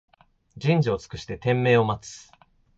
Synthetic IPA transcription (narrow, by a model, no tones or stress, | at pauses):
d͡ʑĩɲ̟d͡ʑio̞t͡sɨ̥kɯ̟ɕi̥t̪e̞t̪ẽ̞mːe̞ːo̞mat͡sɨ̥